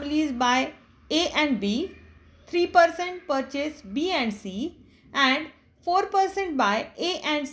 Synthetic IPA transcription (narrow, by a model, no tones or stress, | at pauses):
mliːzbaːɪ | eʔɛ̃ɳɖbiː | t̪ʰɾiːpəɾsẽɳʈ̚pəɾt͡ɕesbiːɛ̃ɳɖsiː | ɛ̃ɳɖ | foːɾpəɾsẽɳʈ̚baːɪeːʔɛ̃ɳɖs